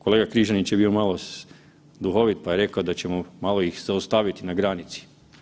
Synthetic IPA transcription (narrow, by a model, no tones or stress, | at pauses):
ko̞le̞ɡakɾiʒanit͡ɕjebio̞malˠo | d̪uxo̞ʋit̪̚paje̞ɾe̞kaod̪at͡ɕemomalˠo̞ixzaust̪aːʋit̪inaɡɾanit̪si̥